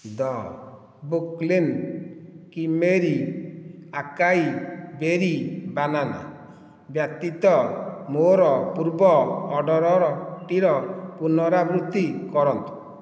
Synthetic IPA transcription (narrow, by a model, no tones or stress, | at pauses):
d̪ɔ | buklin | kimeɾi | akajbeɾibanana̰ | bjakt̪it̪ɔmoɾɔpuɾbɔːɖɔɾɔɾɔʈiɾɔpunɔɾabɾut̪ːikɔɾɔnt̪u̥